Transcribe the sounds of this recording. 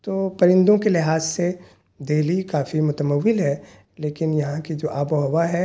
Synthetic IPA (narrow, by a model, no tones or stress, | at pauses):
t̪oːpɐɾɪ̃nd̪õkelɪɦaːzse | d̪eːlikaːfimʊt̪əməʋːɪlɦɛː | leːkɪnjɐɦãkid͡ʒoːʔaːboɦɐwaɦɛ